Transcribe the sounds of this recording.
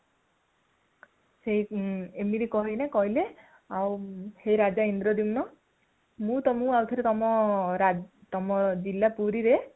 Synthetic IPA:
seɦiemiɾekɔɦinakɔɦile | awhejɾad͡ʒaind̪ɾɔd̪imnɔ | mũt̪ɔmũawt̪ʰiɾet̪ɔmɔɾat̪ɔmɔd͡ʒilːapuɾiɾe

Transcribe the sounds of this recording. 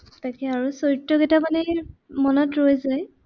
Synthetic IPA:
takɛaɹusojtːɔkɛtamanɛmɔnɔtɹojzaj

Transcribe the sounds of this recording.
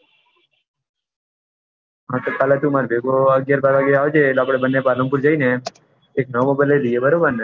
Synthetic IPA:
ɦãt̪okaːlet̪ũmaɾbeɡoəɡjaːɾbaːɾʋaɡeaːʋd͡ʒelaːpɽebənːepaːləmpuɾd͡ʒaine | eːknəʋmobajleliebəɾobəɾn

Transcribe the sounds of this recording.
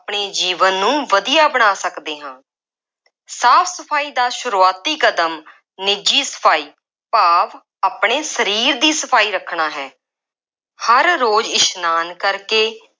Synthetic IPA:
pɳ̃eːd͡ʒiːʋənːũːʋəd̪ijaːbəɽ̃aːsəkd̪eːɦãː | saːfʰsəpʰaːiːd̪aːʃʊɾuːaːt̪iːkəd̪əm | nɪd͡ʒiːsə̥pʰaːiː | paːʋ | aːpɽ̃eːsəɾiːɾd̪iːsəpʰaːiːɾəkʰɳaːɦɛː | həɾːoːd͡ʒɪʃnaːnkəɾkeː

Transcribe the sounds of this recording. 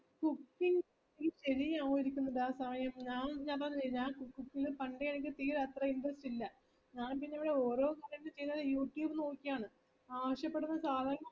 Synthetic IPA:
kukːiŋ | nikʲːiɕeɾijaːʋujiɾikʲːunːɐðaːsɐmɐjɐmɲaːnɲaːnpɐɲːɐt͡ɕɐɾiɲːaːkukːukːilɨpɐɳɖejenikʲːɨt̪iːɾɐt̪rɐiɳɖrɐstilːɐ | ɲaːnpiɲːɐmʋiɽe̞o̞ːɾo̞ːkɐɾɐnːɨt͡ɕejinːɐðɐjuːʈjuːbɨno̞ːkʲːijaːɳɨ | aːʋɐɕjɐpːe̞ɽunːɐsaːlɐŋ

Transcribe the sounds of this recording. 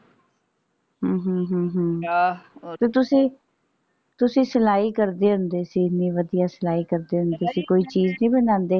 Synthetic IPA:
ɦəːɦːɦəːɦə̃ː | t̪eːt̪ʊsĩː | t̪ʊsĩːsəlaːiːkəɾd̪eːɦʊnd̪eːsiːnĩːʋəd̪ijaːsəlaːiːkəɾd̪eːɦʊ̃nd̪eːsiːkoːiːt͡ʃiːznĩːbənãːnd̪eː

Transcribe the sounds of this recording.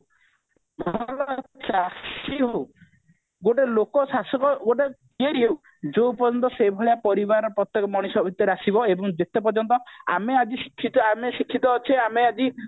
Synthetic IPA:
mɔɔlɔt̪t͡ʃasiɦow | ɡoʈelokɔsasɔkɔɡoʈekieɾiɦew | d͡ʒoupɔɾd͡ʒɔnt̪ɔsebʱɔɭjapɔɾibaɾɔpɾɔt̪jekɔmɔɽ̃isɔbʱit̪jɔɾeasibɔebɔŋd͡ʒet̪epɔɾd͡ʒɔnt̪ɔa̰mead͡ʒisi̥kʰːit̪ɔamesikʰːit̪ɔːt͡ʃʰeamead͡ʒi

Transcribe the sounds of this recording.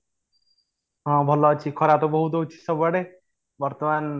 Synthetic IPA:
ɦɔ̃bʱɔlɔt͡ʃʰikʰɔɾat̪obɔɦut̪̬out͡ʃʰi̥sɔbaɽe | bɔɾt̪ɔman

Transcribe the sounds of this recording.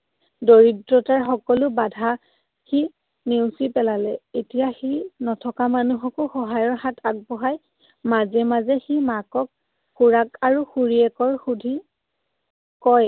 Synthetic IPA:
doɹitɹɔtaɹxɔkɔlʊbadʱa | xi | newsipɛlalɛetijaxinɔtʰɔkamanuɦɔkɔxɔɦajɔɹxatʰak̚bɔɦaj | mazɛmazɛximakɔk̚ | xuɹakaɹuxuɹiɛkɔɹxudʱi | kɔj

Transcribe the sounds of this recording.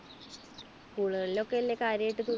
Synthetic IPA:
kuːɭuɣɐɭilo̞kːeɐlːeːkaːɾjɐjiʈːɨt̪u

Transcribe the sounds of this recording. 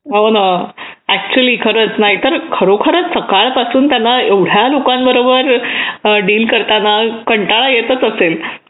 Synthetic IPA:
ɦona | æk̚t͡ɕuəliːkʰəɾət͡snaɦit̪əɾkʰəɾokʰəɾət͡ssəkaɭpasuːnt̪janːaeʋɽ̤jalokambəɾobəɾ | ɖiːlkəɾt̪anakəɳʈaɭajet̪ət͡səsel

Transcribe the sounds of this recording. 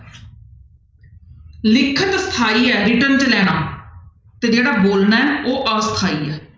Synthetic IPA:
lɪkʰːət̪sə̥t̪ʰaːiːɛːɾɪʈənt͡ʃəlɛːɽ̃aː | t̪eːd͡ʒeːɽaːboːlnaːɛoːʔəsə̥t̪ʰaːiːɛː

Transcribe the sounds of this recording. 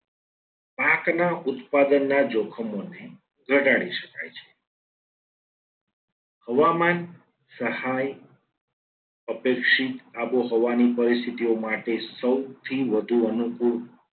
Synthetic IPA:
paknaʔʊt̪pad̪ənːad͡ʒokʰəmone | ɡʱəʈaɽiʃəka̰jt͡ʃʰe̥ | həʋaman | səhaj | əpekʃit̪aboɦoʋanipəɾist̪ʰit̪iomaʈesəwt̪ʰiʋəd̪ʱuənukuɾ

